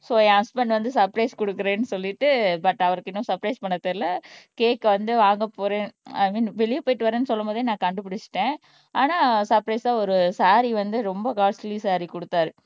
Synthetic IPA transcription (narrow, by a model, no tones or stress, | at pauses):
sõːãːspɛɳɖʋɐnd̪ɯsɐɾpɾɐɪskɔɽɯkːɯɾeːnːɯsɔlːɪʈːɯbɐʈːɐʋɐɾɯkːɪnːʊ̃sɐɾpɾɐɪspɐɳːɐt̪ːɪlːɐkeːkːʋɐnd̪ɯʋaːŋɡɐpːoːɾẽaːmiːnʋɛɭɪʋpoːjɪʈːɯʋɐɾẽːnːɯsɔlːɐmoːðɾinãːkɐɳɖɯpɪɽɪt͡ʃːɯ̥ʈːẽː | aːnaːsɐɾpɾɐɪsaːɔɾɯsaːɾiʋɐnd̪ɯɾɔmbɐkaːslisaːɾikɔɽɯt̪ːaːɾɯ